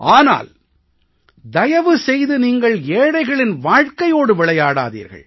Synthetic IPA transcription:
ʔaːna̰ːl | d̪ɐjɐʋɯsɛjðɯniːŋɡɐɭeːɽɐɪɣɐɭɪnʋaːɻkɐjoːɽɯʋɪɭɐjaːɽa̰ːðḭːɾɣɐ̰ɭ

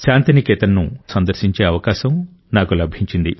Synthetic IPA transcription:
ʃaːnt̪inikɛːt̪ɐnːusɐnd̪ɐɾʃiɲt͡ʃeːɐʋɐkaːʃɐm | naːkulɐbʱiɲt͡ʃind̪i

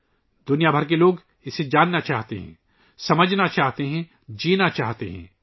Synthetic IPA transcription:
d̪ʊnijabʱɐɾk̬eloːɡ | ɪsed͡ʒaːnːat͡ʃaːɦt̪ḛɦɛ̰̃ː | sɐməd͡ʒʱnat͡ʃaːɦt̪eɦɛ̃ | d͡ʒiːnat͡ʃaːɦt̪eɦɛ̰̃ː

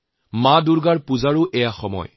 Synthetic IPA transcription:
madʊɹɡaɹpuzaɹʊʔɛjaxɔmɔ̰j

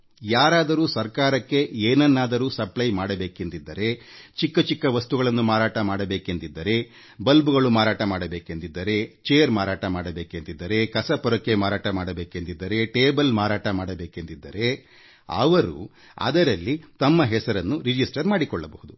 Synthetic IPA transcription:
jaːɾaːd̪ɐɾuːsɐɾkaːɾɐkːe̞eːnɐnːaːd̪ɐɾuːsɐplɐjmaːɽɐbe̞ːkent̪id̪ːɐɾe̞t͡ʃikːɐt͡ʃikːɐʋɐst̪uɡɐɭɐnːumaːɾaːʈɐmaːɽɐbeːke̞nt̪id̪ːɐɾe̞ | bɐlbuɡɐɭumaːɾaːʈɐmaːɽɐbeːkent̪id̪ːɐɾe̞t͡ʃeːɐɾmaːɾaːʈɐmaːɽɐbeːke̞nt̪id̪ːɐɾe̞kɐsɐpɔɾɐkːemaːɾaːʈɐmaːɽɐbeːkent̪id̪ːɐɾe̞ʈeːbɐlmaːɾaːʈɐmaːɽɐbeːke̞nt̪id̪ːɐɾe̞ | ɐ̰ʋɐɾṵ | ɐ̰d̪ɐɾɐlːit̪ɐmːɐɦɛsɐɾɐnːuɾid͡ʒisʈɐɾmaːɽikɔɭːɐbɐhud̪u

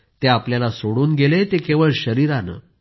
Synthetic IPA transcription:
t̪eapljalasoɽuːnɡelet̪ekeʋəɭɕəɾiːɾanə̰

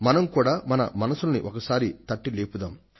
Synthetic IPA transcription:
mɐnɐmkuːɽaːmɐnɐ̰mɐnɐsulɐnḭʔɔkɐsaːɾit̪ɐʈːileːpud̪aːm

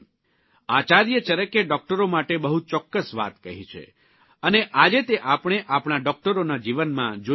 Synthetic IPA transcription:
at͡ʃaɾjət͡ʃəɾəkeɖɔk̚ʈəɾomaʈebəɦut͡ʃɔkːəsʋa̰t̪kəɦit͡ʃʰḛ | əneʔad͡ʒet̪eʔapɽ̃eʔapɳ̃aɖɔk̚ʈəɾonad͡ʒiʋənmã̰d͡ʒo

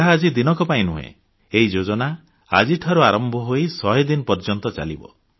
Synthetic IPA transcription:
aːd͡ʒid̪inɔkɔpaĩnṵɦḛ̃ | eɦid͡ʒod͡ʒɔna | a̰d͡ʒiʈʰaɾuaɾɔmbʱɔɦojsɔɦed̪inɔpɔɾd͡ʒɔnt̪ɔt͡ʃa̰lḭbɔ̰

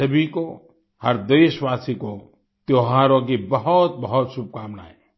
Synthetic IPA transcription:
səbʱiko | həɾd̪əjswaːsiko | t̪joɦaːɾõk̬ibəɦɔt̪̚bəɦɔt̪sub̚kaːmna̰ːe

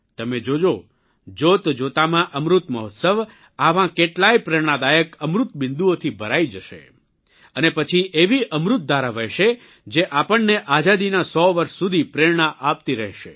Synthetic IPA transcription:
t̪əmed͡ʒod͡ʒo | d͡ʒot̪d͡ʒot̪amãʔəmɾut̪məɦɔt̪səʋ | aʋãkeʈlajpɾeɽ̃ad̪ajəkəmɾut̪bɪnd̪uot̪ʰibʱəɾaid͡ʒəʃḛ | ənepət͡ʃʰiʔeʋiʔəmɾut̪̚d̪aɾaʋəɦʃe | d͡ʒeʔapəɳːeʔad͡ʒad̪inasɔʋəɾʃsud̪ʱipɾeɹɳaʔapt̪iɾəɦʃḛ

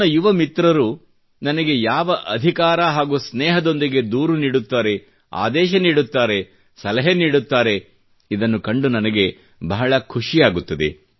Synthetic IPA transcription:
ɐjuʋɐmit̪ɾɐɾu | nɐnɐɡe̞jaːʋɐʔɐd̪ʱikaːɾɐɦaːɡuːsnɛːɦɐd̪o̞nd̪iɡe̞d̪uːɾuniːɽut̪ːaːɾe̞ | a̰ːd̪ɛːʃ̬ɐniːɽut̪ːaːɾe̞ | sɐlɐɦeniːɽut̪ːaːɾe̞ | id̪ɐnːukɐɳɖunɐnɐɡe̞ | bɐɦɐɭɐkʰuʂijaːɡut̪ːɐd̪e̞̰

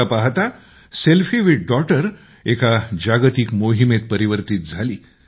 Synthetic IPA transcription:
apaɦt̪a | selfiʋiɖ̚ɖɔʈəɾ | ekad͡ʑaɡt̪ikmoɦimet̪̚pəɾiʋəɾt̪it̪̚d͡zʱaliː

